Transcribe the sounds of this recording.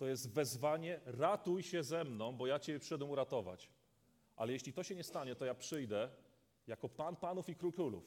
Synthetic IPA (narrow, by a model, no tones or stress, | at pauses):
t̪ɔjɛzt̪vɛzvaɲɛɾat̪ujɕɛzɛmnɔ̃w̃bɔjat͡ɕɛbʲɛpʂɛd̪ɛmuɾat̪ɔva̰t͡ɕ | ʔa̰lɛjɛɕʲlʲit̪ɔɕɛɲɛst̪aɲɛt̪ɔjapʂɘjd̪ɛ | jakɔpanpanufikɾukɾulṵf